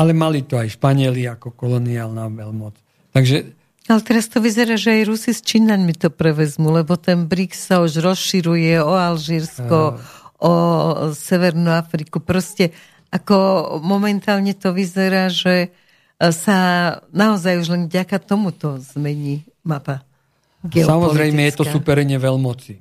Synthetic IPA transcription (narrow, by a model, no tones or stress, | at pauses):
alɛmalit̪ɔajʃpaɲɪɛliakɔkɔlɔniaːlnaʋɛlmɔt͡s | t̪aɡʒɛ | alɛt̪ɛɾast̪ɔʋizɛɾaːʒɛajɾusist͡ʃinaɲmit̪ɔpɾɛʋɛzmulɛbɔt̪ɛnbɾiksauʒɾɔsʃiɾujɛɔalʒiːɾskɔʔɔsɛʋɛɾnuafɾikupɾɔscɛ | akɔmɔmɛnt̪aːlɲɛt̪ɔʋizɛɾaːʒɛ | sanaɔzajuʒlɛnvɟakat̪ɔmut̪ɔzmɛɲi | mapa | ɡɛsɔamɔɔlizɾɛjmɛjɛt̪ɔsupɛɾɛɲɛʋɛlmɔt͡si